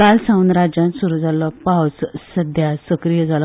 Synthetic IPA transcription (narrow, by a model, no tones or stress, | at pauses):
alsãunɾad͡ʑjãnsuɾud͡zʱalɔpawt͡ssəd̪ʱjasəkɾijəd͡zʱal